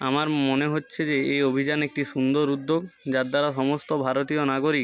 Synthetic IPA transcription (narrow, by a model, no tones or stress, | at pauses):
amaɾmoneɦotːɕʰed͡ʑeejobʱid͡ʑanek̚ʈiʃund̪oɾud̪ːoɡd͡ʑadd̪aɾaʃɔmost̪obʱaɾot̪ijonaɡoɾik